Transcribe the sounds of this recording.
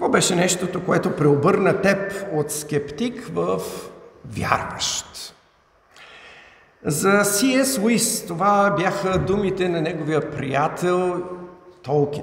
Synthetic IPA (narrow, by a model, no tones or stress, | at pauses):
kkvɔbɛʃɛnɛʃt̪ot̪okoɛt̪opɾɛobɤɾnət̪ɛpot̪skɛpt̪ikvəfvʲja̰ɾvə̰ʃt̪ | zɐsiɛswist̪ovabjaxəd̪umit̪ɛnɐnɛɡovijəpɾḭjat̪ʰɛlˠt̪ɔlˠki